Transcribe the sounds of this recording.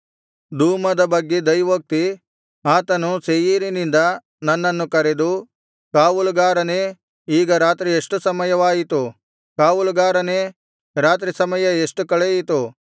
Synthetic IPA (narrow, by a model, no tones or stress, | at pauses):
d̪uːmɐd̪ɐbɐɡːed̪ɐjʋɐk̚t̪i | aːt̪ɐnusejiɾinind̪ɐ | nɐnːɐnːukɐɾed̪u | kaːʋulɡaːɾɐneː | iːɡɐɾaːt̪ɾieʂʈusɐmɐjɐʋaːjit̪u | kaːʋulɡaːɾɐneː | ɾaːt̪ɾisɐmɐjɐeʂʈukɐɭejit̪u